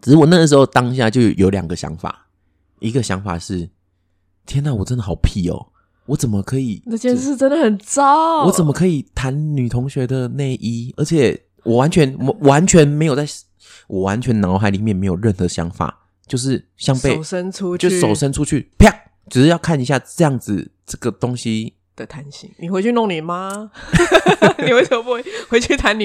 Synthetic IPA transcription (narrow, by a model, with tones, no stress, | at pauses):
ʈ͡ʂɻ̩˧˥wɔ˨˩na˥˨ə˩ʂ̬ɻ̩˧˥xo˥˩ʊt̪ɑ˦˥ŋɕ̬ja˥˧t͡ɕjo˥˧ʊjo˧˥ʊljɑ̰˨˩ŋɡə˦ɕjɑ̰˧˦ŋfa̰˨˩ | ʔi˧˦˥ɡə˨ɕjɑ˧˦˥ŋfa̰˨˩ʂɻ̩˥˩ | t̪ʰjɛ˥na˥˩wɔ˨˩t͡sə˦nd̪ə˨xɑ˨˩ʊpʰi˥˩ɔ̰˨˩ | wɔ˨˦t͡sə˨˩nmə˨˩kʰɤ˧˥i˨˩˧ɛ˥˧n̩˥˧˩t͡sə˥nd̪ə˨xə˨˩nt͡sɑ˥˩wɔ˨˦t͡sə˨˩nmə˨˦kʰɤ˧˥i˨˩t̪ʰa˧˦nny˨˩t̪ʰʊ˧˦ŋɕɥɛ˧˥d̪ə˨ne˥˩ɪʔi˥ə˧˥t͡ɕʰjɛ˨˩ | wʔɔ˨˩wa˧˦nt͡ɕʰɥɛ˧˦n˨wa˧˦nt͡ɕʰɥɛ˧˦˥nme˧ɪjo˨˩ʊt͡sa˥˩ɪ | wɔ˨˩wa˧˦nt͡ɕʰɥɛ˧˦nnɑ˧˦ʊxa˧ɪli˨˩mjɛ˥˩nme˧˥ɪjo˨˩ɻə˥˩nxɤ˨˧˦ɕjɑ̰˧˥ŋfa̰˨˩˦ | t͡ɕjo˥˧ʊʂ̬ɻ̩˥˩ɕjɑ˥ŋpe˥˨ɪ˨ʂə˦˥nʰu˦˥jo˥˧ʊ˥so˨˩ʊʂə˦˥nʈ͡ʂʰu˦t͡ɕʰy̰˥˩pʰjɑ˥˨˩ŋ | ʈ͡ʂɻ̩˨ʂ̩˥˧jɑ˥˧ʊkʰa˥˩ni˧ɕ̬ja˥˧ʈ͡ʂɤ˥˧jɑ˥˩ŋd͡zɹ̩˨ʈ͡ʂɤ˥˩ɡə˩t̪o˥˦ŋɕi˦ | d̪̥ə˨t̪ʰa˧˦nɕḭ˧ŋni˨xwe˧˥ɪt͡ɕʰy˥˧nʊ˥˩ŋni˨˩ma˦ | ni˨xwe˧˥ɪ˥˩o˧˦pu˧˥we˥˩xwe˧˥ɪt͡ɕʰy˥˩t̪ʰa˧˦ny˨˩